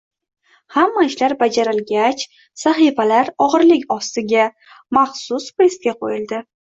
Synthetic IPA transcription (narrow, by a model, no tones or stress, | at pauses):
hamːaɪʃlaɾbad͡ʒaɾɪlɡʲat͡ʃ | saχifalaɾɒʁɨɾlɪkʲɒst̪ɪɡʲa | maχsʊspɾest̪̚ɡʲaqʰo̰jɪld̪ɪ